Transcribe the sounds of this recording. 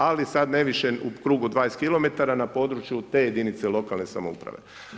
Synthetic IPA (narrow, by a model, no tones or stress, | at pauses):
alisad̪ne̞ʋiʃeukɾuːɡud̪ʋajeskilo̞me̞t̪aɾanapo̞ːd̪ɾut͡ʃjut̪e̞ːje̞d̪init̪se̞lˠo̞kalˠne̞sa̰moṵpɾa̰ʋe̞̰